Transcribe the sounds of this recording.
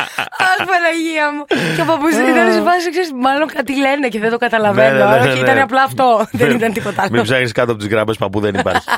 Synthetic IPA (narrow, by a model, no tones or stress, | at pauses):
ɐspɐnɐʝiɐmucepɐpusit̪inɐnesvɐsiskseɾismɐlo̞ŋkɐt̪ileneceðed̪o̞kɐt̪ɐlɐvenooiit̪ɐneɐplɐːft̪o̞ðenit̪ɐnt̪ipo̞t̪ɐɐlmipzɐɣeskɐt̪oɐpot̪uzɣɾɐmespɐpuðenipɐ̰ɾçi